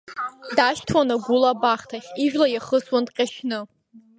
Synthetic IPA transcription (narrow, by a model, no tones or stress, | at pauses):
daʃtʰwanaɡʷulabaχtʰaχʲiʒᶣlajaχəswandqʲʼaʃnɨ